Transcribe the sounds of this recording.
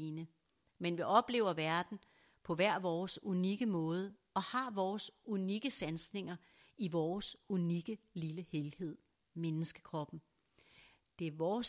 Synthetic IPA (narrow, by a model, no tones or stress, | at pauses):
nə | menʋiʔɒ̽b̥le̝̰ːʊɐʋæɐd̥n̩ | pʰɒ̽ʋæɐ̰ʋɒːsuniɡ̥əmɔ̽ːð̞ˠə | ɒ̽hɑ̈ʋɒːsuniɡ̥əsænsne̝ŋɐ | iʋɒːsuniɡ̥əliləhelhe̝ð̞̰ˠ | menəsɡ̥ə̥kʰʁɒ̽b̥n̩ | d̥e̝æɐʋɒːs